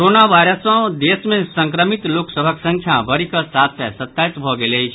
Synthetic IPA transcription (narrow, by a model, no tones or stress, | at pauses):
ɾonaʋajɾəsə̃d̪esmẽsə̃ŋkɾəmit̪loksəbʱəksə̃ŋkʰjabəɾikəsat̪ʰsɛsət̪ːait̪bʱɔɡeləjt͡ʃʰ